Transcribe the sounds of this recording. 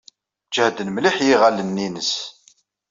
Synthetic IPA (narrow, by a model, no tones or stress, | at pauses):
t͡ʃːhd̪ənmliħjiʁalənːinəs